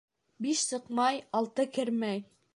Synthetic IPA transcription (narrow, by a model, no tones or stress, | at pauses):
biʃsɤ̆qmɑjɑlˠt̪ɤkɘɾmæj